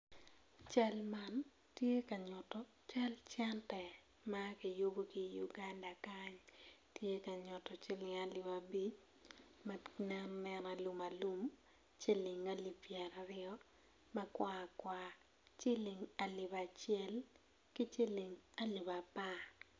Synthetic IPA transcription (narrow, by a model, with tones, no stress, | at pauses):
t͡ʃa˦lma˦n | tje˦ka˨ɲɔ˨tɔ˨ | t͡ʃa˦lt͡ʃɛ˦ntɛ˨ | ma˦kɪ˨jo˦bo˦ki˦ju˨ɡa˦nda˨ka˦ɲtje˦ka˨ɲʊ˨tɔ˨t͡ʃɪ˦lɪ˨ŋa˨lɪ˨ba˨bi˦t͡ʃ | manɛ˦nnɛ˦na˨lu˨ma˨lu˦m | t͡ʃe˦lɪ˨ŋa˦li˨pjɛ˨ɾa˨ɾɪɔ˦ | mɐ˦kwa˦kwa | t͡ʃɪ˦lɪ˨ŋa˨lɪ˨ba˨t͡ʃɪɛ˦l | kɪ˦t͡ʃe˦lɪ˨ŋa˦li˨ba˨pa˦